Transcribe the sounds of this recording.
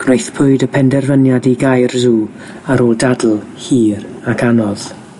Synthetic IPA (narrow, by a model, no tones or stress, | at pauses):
ɡ̥nojθpʰʊɨdəpʰɛndɛrvənjadiɡajrzuː | aɾoːlˠdadl̩ˠ | hiːɾakʰanɔð̥